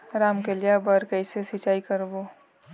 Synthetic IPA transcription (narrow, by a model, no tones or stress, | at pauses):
ɾaːmkelijabəɾkəisesit͡ʃaːikɐɾboː